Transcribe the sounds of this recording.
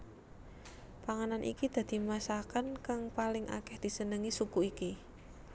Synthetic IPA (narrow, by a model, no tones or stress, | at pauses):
paŋananʔḭkid̪̥a̤d̪̥i̤masakankaŋpalɪŋʔa̰kɛhd̪̥i̤sənəŋisukuiki